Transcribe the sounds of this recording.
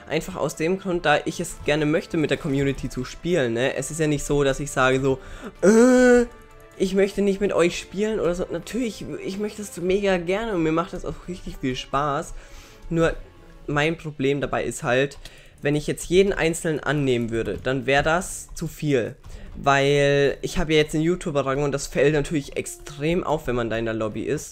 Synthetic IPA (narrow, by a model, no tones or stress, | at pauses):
ʔa̰ɪnfaχa̰ʊsd̥eːmɡʁʊnt̚d̥aːʔɪçɛsɡ̥ɛɐnəmœçtəmɪt̚d̥eːɐkʰɔmjuːnɪtʰit͡suʃpiːlənːəʔɛ̰sɪstjaːnɪçtz̥oːdasɪçz̥aːɡəzoːʔəː | ʔɪçmœçtənɪçtmɪtʔɔʏçʃpiːlənʔoːɾɐzoːnatʰyːɐlɪçɪçmœçtəɛsd̥umeːɡɐɡɛɐnəʊntmiːɐmaχtd̥asa̰ʊxʁɪçtɪçfiːlʃpaːs | nuːɐ | maɪnpʁ̥obleːmdabaɪʔɪsthalt | vɛnɪçjɛt͡stjeːdn̩ʔa̰ɪnt͡sl̩nənʔa̰nːeːmənvʏɐɾəd̥anvɛːɐʁədast͡sufiːlvaɪlʔɪçhaːbəjaːjɛt͡steːnjuːtʰjuːpʁaɡŋ̩ʊntd̥asfɛltnatʰyːɐlɪçʔɛ̰kstʁ̥eːmʔa̰ʊfv̥ɛnmandaɪnalɔbḭʔɪst